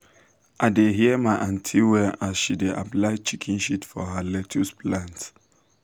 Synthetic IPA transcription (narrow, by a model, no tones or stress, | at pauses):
ʔaɪdeɦiəmaɪʔãntʰiwɛʔaʃideʔaplaɪt͡ʃikʰĩnʃitfɔɦəlɛtʰuspʰlãnt